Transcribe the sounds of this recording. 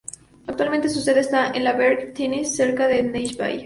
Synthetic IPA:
ak̚t̪walmẽnt̪es̬useðeest̪aʔenlaβeɾɡt̪ʰenisːeɾkaðenejʃba̰j

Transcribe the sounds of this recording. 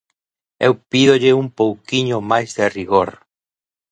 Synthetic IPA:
ewpiðoʎeumpowkiɲomajzðeriɣoɾ

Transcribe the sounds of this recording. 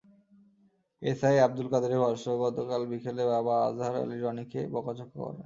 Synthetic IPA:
esajab̚d̪ulkad̪eɾebʱɔɾʃoɡɔt̪okalbikʰelebabaa̰zʱaɾa̰liɾɔnikebɔkat͡ɕokːokɔ̰ɾḛ

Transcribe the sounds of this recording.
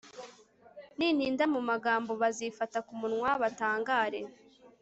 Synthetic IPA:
niːn̥hiːndamumaɡaːmbo̞βazifatakumunŋwaβataːŋɡaːɾe̞

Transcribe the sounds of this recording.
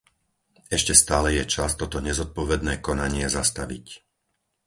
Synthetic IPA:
ɛʃcɛst̪aːlɛjɛt͡ʃast̪ɔt̪ɔɲɛzɔt̪̚pɔʋɛd̪nɛːkɔnaɲɪɛzast̪aʋḭc

